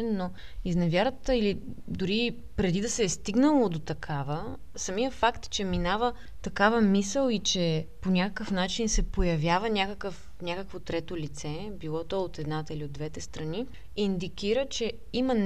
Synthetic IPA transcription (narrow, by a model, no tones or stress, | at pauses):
ɛnːoiznɛvʲjaɾət̪əilid̪ʊɾi | pɾɛd̪id̪ɐsɛːst̪iɡnəlˠod̪ot̪ɐkʰavə | sɐmijəfakt̪t͡ʃɛminavə | t̪ɐkavəmisəlˠit͡ʃɛponʲakəkəfnat͡ʃinsɛpojɐvʲjavənʲakəkəf | nʲakəkvot̪ɾɛt̪olit̪sɛ | bilˠɔt̪ɔot̪ɛd̪nat̪əiliod̪vɛt̪ɛst̪ɾɐni | ind̪ikiɾət͡ʃɛ | imən